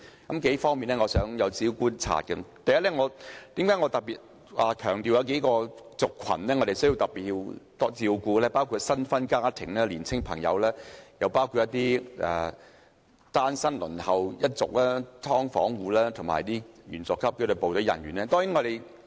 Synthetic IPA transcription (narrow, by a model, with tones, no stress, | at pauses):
kɐ˨˥mke˨˥jfɔː˥ŋmiː˨nlɛː˥ŋɔː˨˧sœː˨˥ŋjɐ˨˧wt͡siː˨˥wkuː˥nt͡sʰa̰ː˧˨t̚kɛ˧t̪ɐ˨˧jɐ˥t̚lɛː˥ŋɔː˨˧t̪iː˨˥mkaː˨˥ŋɔː˨˧t̪ɐ˨k̚piː˨t̚ | ʔaː˨kʰœː˨˩ŋt̪i˨wjɐ˧wk̬e˨˥jkɔː˧t͡sʊ˨kʰːɐ̰˨˩nlɛː˥ŋɔː˨˧ɾe˨˩sɥji˧wt̪ɐ˨t̚piː˨t̚ji˧wt̪ɔ˥t͡siː˧wkuː˧lɛː˥paː˥wkʰu˨˧t̚sɐ˥nfɐ˥nkaː˥t̪ʰɪ˨˩ŋlɛː˥liː˨˩nt͡sʰɪ˥ŋpʰɐ˨˩ŋjɐ̰˨˧wlɛː˥jɐ˨˧wpaː˥wkʰu˧t̚ːɐ˥t̪iː˥ʔɛ̰ː˨˩ | t̪aː˥nsɐ˥nlɵ̰˨˩nhɐ˨˩wjɐ˥t̚t͡sʊ˨k̚lɛː˥t̪ʰɔː˥ŋfɔ̰ː˨˥ŋwuː˨˧lɛː˥t̪ʰʊ˨˩ma̰ː˨˩jt̪iː˥jyː˨˩nt͡sɔ˨˩kʰːɐ˥p̚kʰe˧˥d̪o˨wpo˨wt̪ɵ˨˥wjɐ̰˨˩njyː˨˩nɛː˥t̪ɔː˥ŋjiː˨˥ŋɔ˨˧ɾe˨˩j